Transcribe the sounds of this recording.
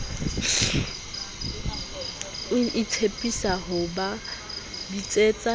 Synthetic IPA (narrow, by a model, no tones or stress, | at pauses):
ɪtʰepʼisaɦʊba | dit͡sʼet͡sʼa